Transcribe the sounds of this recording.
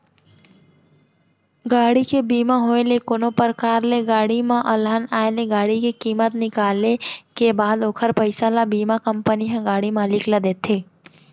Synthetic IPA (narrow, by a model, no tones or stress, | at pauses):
ɡaːɽikebiːmãɦoelekonopəɾkaːɾleɡaːɽimãʔɐlanaːeleɡaːɽikikiːmət̪nɪkaːlekebaːd̪oːkʰəɾpəɪsalabiːmakə̃mpəniɦɛ̃ɡaːɽimãlɪklad̪eːt̪ʰeː